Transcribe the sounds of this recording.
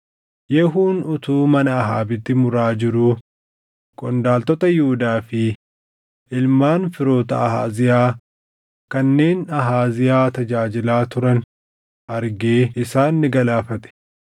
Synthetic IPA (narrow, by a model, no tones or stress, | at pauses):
jɛɦuːnʊt̪uːmɐnɐːɦaːbɪt̪ːɪmʊɾaːd͡ʒɪɾʊ | kʼɔnd̪aːlt̪ɔt̪ɐjuːd̪aːfɪ | ʔɪlmaːnfɪɾo̞ːt̪ɐɐɦa̰ːzɪjaː | kɐnːe̞ːnɐɦaːzɪjaːt̪ɐd͡ʒaːd͡ʒɪlaːt̪ʊɾɐn | ʔɐɾɡeːɪsaːnːɪɡɐlaːfɐt̪ʼɛ̥